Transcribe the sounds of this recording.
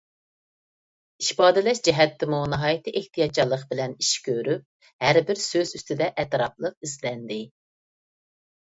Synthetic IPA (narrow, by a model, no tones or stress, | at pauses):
iʃpɑːd̪ɪlɛʃd͡ʒɛɦɛt̪ʰːɪmunɨɦɑːjit̪ʰɨʔeht̪ʰijɑt̪̚t͡ʃʰɑlˠːəqbɪlɛniʃkʲʰøɾyp̚ | hæɾbɪɾsøzyst̪ɪd̪ɛʔɛt̪ɾɑplˠəq̚izlɛnd̪ɪ